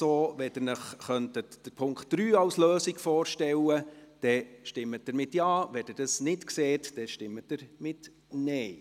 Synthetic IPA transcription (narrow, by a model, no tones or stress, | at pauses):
soːʋɛd̥ɪɾnəχχœntətd̥əɾpʰʊŋktd̥ɾyːɑlsløːsiɡfɔːɾʃtɛləd̥ɛʃtɪmːət̚d̥əɾmɪtjɑːʋɛd̥ɪrdɑsnɪtkseːtd̥ɛʃtɪmːət̚d̥əɾmɪt | nɛɪ